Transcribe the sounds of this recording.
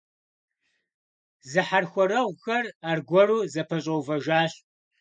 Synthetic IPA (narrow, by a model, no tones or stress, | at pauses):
zɨħarxʷɔɾɐwxɐraːrɡʷɔruːzɐpʰɐɕʼɐwvɐʒaːɕ